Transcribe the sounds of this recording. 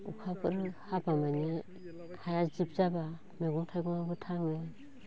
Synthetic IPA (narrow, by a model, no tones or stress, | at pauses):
ukʰapʰɯɾhabamani | kʰajazip̚zaba | meɡuŋtʰajɡɔŋabɯtʰaŋe